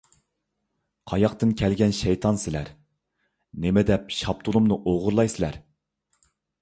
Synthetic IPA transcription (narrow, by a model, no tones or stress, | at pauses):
qʰɑjɑqt̪ɨnkʲʰɛlɡʲɛnʃɛjt̪ʰɑnsɪlæɾ | nemɪd̪ɛpʃɑp̚t̪ʰulˠumnɨʔoʁʊɾlˠɑjsɪlæ̰ɾ